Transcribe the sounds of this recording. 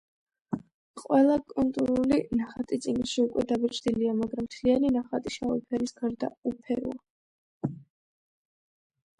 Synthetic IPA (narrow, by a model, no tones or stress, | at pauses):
qʼwɛlˠakʼult̪ʼuɾulinaχat̪ʼit̪sʼiɡiʃiukʼwɛd̪abɛt͡ʃʰd̪iliamaɡɾamt̪ʰlianinaχat̪ʼiʃa̰ṵpʰɛɾisɡaɾd̪a̰upʰɛɾṵa